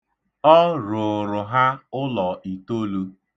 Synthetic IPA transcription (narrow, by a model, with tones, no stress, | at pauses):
ɔ˦ɾʊ˨ɾʊ˨ɦa˦ʊ˦lɔ˨i˨to˦lu˦